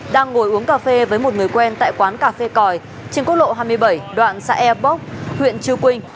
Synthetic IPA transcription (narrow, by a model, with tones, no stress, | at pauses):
ɗaː˧ŋːo˧˩jʔu˨˦əŋkaː˧˩fe˧vəː˨˦jmo˨˩t̚ŋɨ˨˩əjkwɛ˧nt̪a̰ː˧˨jkwaː˨˦nkaː˧fe˧kɔ˨˩j | t͡ɕe˧nko˦˥t̚ɗo̰˧˨ɦaː˧jmɨ˧əjɓə˧˩jɗwa̰ː˧˨nsa̰ː˧ʔɛ˧ɓə˦˥k͡p̚hwḭ˧˨ənt͡ɕɨ˧wkwï˧ŋ̟